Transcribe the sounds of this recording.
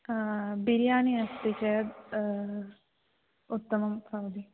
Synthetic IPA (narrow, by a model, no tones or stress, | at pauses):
biɾjaːniɐst̪it͡ʃɐd̪ | ut̪ːɐmɐmpɐʋd̪i